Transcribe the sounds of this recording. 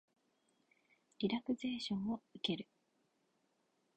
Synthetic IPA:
ɾʲiɾakɯ̟ze̞ːɕõɰ̃oike̞ɾɯ̟

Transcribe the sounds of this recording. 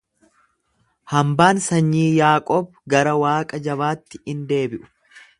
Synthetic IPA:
hɐmbaːnsɐɲːiːjaːkʼɔːb | ɡɐɾɐwaːkʼɐd͡ʒɐβaːt̪ːɪ̥ɪnd̪e̞ːbɪʔʊ̥

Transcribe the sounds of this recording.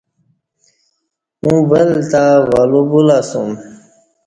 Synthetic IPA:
mũbəlt̪awalubulasum

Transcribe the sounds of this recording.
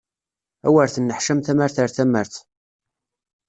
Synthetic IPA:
æwəɾθənːəħʃæmθæmæɾθəɾθæməɾθ

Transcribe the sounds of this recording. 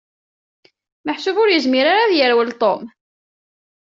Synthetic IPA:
məħsʊvʊɾjəzmɪɾaɾaðjəɾwəlt̪ˤom

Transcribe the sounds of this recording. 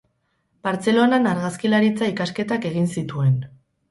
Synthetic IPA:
baɾt͡se̞lo̞nanaɾɣaskilaɾit͡saikaske̞t̪ake̞ɣ̞insit̪ue̞n

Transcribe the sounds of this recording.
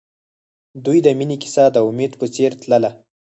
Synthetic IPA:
d̪ujd̪əminikɪ̥sɑd̪əʊmed̪pət͡seɾt̪ləla

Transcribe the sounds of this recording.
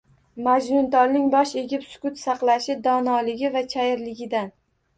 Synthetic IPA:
mad͡ʒnʊnt̪ɒlnɪŋbɒʃe̞ɡʲɪpsʊ̥kʊt̪sɑqlˠaʃɪd̪ɒnɒlɪɡʲɪvat͡ʃʰajɪɾlɪɡʲɪd̪an

